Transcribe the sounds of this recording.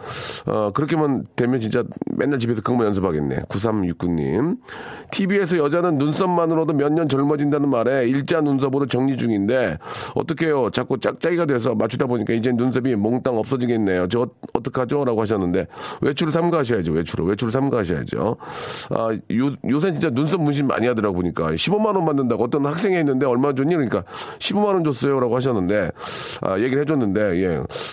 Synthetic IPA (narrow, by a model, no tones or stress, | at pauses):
ʌkɯɾʌkʰemandwe̞mjʌnt͡ɕint͡ɕ͈amʔenːaɭt͡ɕipʰe̞sʰʌkɯmonjʌns̬ʰɯpʰaɡe̞nːe̞̰kus̬ʰamjuk͈uɲːḭmtʰibie̞s̬ʰʌjʌd͡ʑanɯnːuns͈ʌmːanɯɾodomjʌɲːʌnt͡ɕʌɭmʌd͡ʑindanɯnmaɾe̞iɭt͡ɕ͈anuns̬ʰʌbodot͡ɕʌŋɲid͡ʑuŋinde̞ʌ̰t͈ʌkʰe̞jot͡ɕak͈ut͡ɕ͈ak̚t͡ɕ͈aɡiɡadwes̬ʰʌmat͡ɕʰudaboɲik͈aid͡ʑenːuns̬ʰʌbimoŋt͈aŋʌp̚s͈ʌd͡ʑiɡenːe̞jot͡ɕeʌt͈ʌkʰead͡ʑoɾaɡohaɕ̬ʰʌnːɯnde̞we̞t͡ɕʰuɾɯɭs̬ʰamɡaɦaɕ̬ʰʌjad͡ʑowe̞t͡ɕʰuɾo̰we̞t͡ɕʰuɾɯɭs̬ʰamɡaɦaɕʰʌja̰d͡ʑo̰ | ʌ̰jojos̬ʰʌnt͡ɕint͡ɕ͈anuns̬ʰʌmːunɕ̬ʰimima̰ɲiɦadɯɾaɡoboɲik͈a̰ɕʰibomanonmandɯndaɡoʌt͈ʌnhak̚s͈e̞ŋɦenːɯnde̞ʌɭmand͡ʑoɲikɯɲik͈aɕʰibomanond͡ʑos͈ʌjoɾaɡohaɕ̬ʰʌnːɯnde̞a̰je̞ɡiɾɭhɦe̞d͡ʑʌnːɯnde̞je̞̰